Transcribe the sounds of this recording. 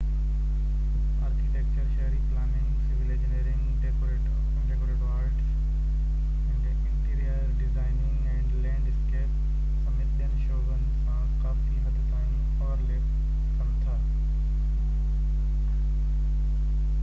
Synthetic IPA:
aːɾkiʈek̚t͡ɕəɾʃɐɦɾiplaːnɪ̃ŋsɪʋɪled͡ʑneːɾɪ̃ŋɡɖekoɾeːʈ | ɳɖekoɾeːʈaːɾʈ | ɪ̃ʈeɪ̃nʈiːɾijəɾɖɪzaːɪnɪ̃ŋɡɛ̃ːɳɖlɛ̃ːɳɖɪskeːp | sɐmɪt̪iənʃoːɡənsã | kaːfiɦɐd̪ʱdaːɪn | ɔːɾlep | kɐmt̪ʰa

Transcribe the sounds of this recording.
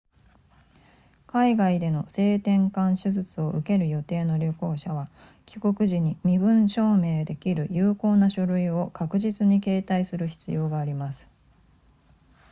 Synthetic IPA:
kaiɡaid̪e̞no̞se̞ːt̪ẽ̞ŋkãɰ̃ɕɨzɨt͡sɨo̞ʔɯ̟ke̞ɾɯ̟jo̞t̪e̞ːno̞ɾʲoko̞ːɕaβa | kʲi̥ko̞kɯ̟ʑiɲ̟imʲibɯ̟̃ɰ̃ɕo̞ːme̞ːd̪e̞kʲiɾɯ̟jɯːko̞ːnaɕo̞ɾɯ̟io̞kakɯ̟ʑit͡sɨɲ̟ike̞ːt̪aisɨɾɯ̟çi̥t͡sɨjo̞ːɡaːɾʲimasɨ̥

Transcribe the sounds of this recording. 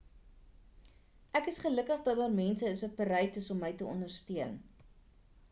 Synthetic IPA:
ʔækəsχələkəχdɐt̚dɑːrmɛnsəəsək̚bəɾɛjtəsɔmːəjtəɔ̰ndərstyən

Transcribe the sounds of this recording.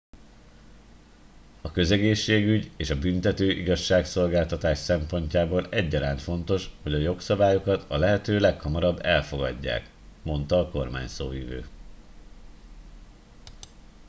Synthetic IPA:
ɒkø̞zɛɡeːʃːeːɡyɟeːʃɒbynt̪ɛt̪øːʔiɡɒʃːaːkso̞lɡaːlt̪ɒt̪aːʃsɛmpo̞ɲcaːboːlɛɟːɒɾaːnt̪fo̞nt̪o̞ʃho̞ɟɒjo̞ksɒbaːjo̞kɒt̪ɒlɛɦɛt̪øːlɛkhɒmɒɾɒbːɛlfo̞ɡɒ̰ɟːa̰ːk | mo̞nt̪ɒːko̞rma̰ːɲso̰ːjyvø̰ː

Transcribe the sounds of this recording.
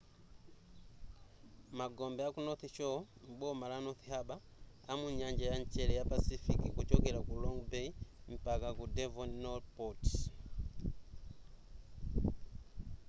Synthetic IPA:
maɡɔmbɛakunɔθit͡ʃɔmbɔmalanɔθihaɓaː | muɲand͡ʒajaɲt͡ʃɛlɛjapasifikikut͡ʃɔkɛlakulɔŋɡbɛim̩pakakudɛvɔnnɔlpɔt

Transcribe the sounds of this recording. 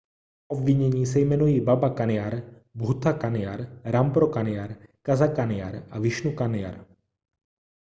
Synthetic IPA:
ʔobvɪɲɛɲiːs̬ɛjmɛnujiːbabakanɪjaɾ | bɦut̪akanɪjaɾɾampɾokanɪjaɾkazakanɪja̰ɾʔavɪʃnukanɪja̰ɾ

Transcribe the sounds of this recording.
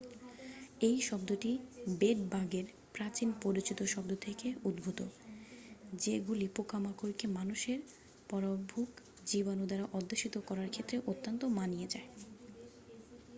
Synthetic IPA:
ejʃɔb̚d̪oʈibeʈ̚baɡeɾ | pɾat͡ɕinpoɾit͡ɕit̪oʃɔbd̪ot̪ʰekeud̪bʱut̪o | d͡ʑeɡulipokamakoɾkemanuʃeɾ | pɔɾobʱuk | d͡ʑibanod̪aɾaʔɔd̪ːeʃit̪okɔɾaɾkʰet̪ːɾeʔot̪ːont̪omanijed͡ʑae

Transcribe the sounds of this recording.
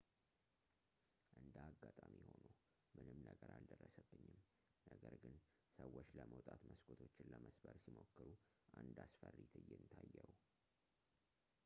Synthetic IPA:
ʔɨnd̪aɡːat̪ʼamiho̞no | mɨnɨmnəɡəɾald̪ərːəsəbːɨɲːɪm | nəɡəɾɡɨn | səwːot͡ʃːləməwt̪ʼat̪məskʰʼot̪ʰo̞t͡ʃːɪnləməsbəɾsimo̞kːɨɾu | ʔand̪asfərːit̪ʰɨjːɛnt̪ʰajːəw

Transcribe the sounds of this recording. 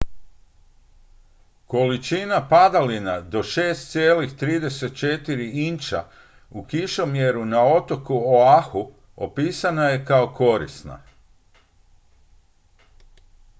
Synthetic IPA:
ko̞lit͡ʃinapad̪alinad̪o̞ʃe̞ːst̪sʲjeːlixt̪ɾiːd̪e̞se̞t̪̚t͡ʃe̞t̪iɾiint͡ʃa̰ | ukiʃo̞mjeɾunao̞t̪o̞kuoaxu | opiːsanajekao̞ko̞ɾḭsna̰

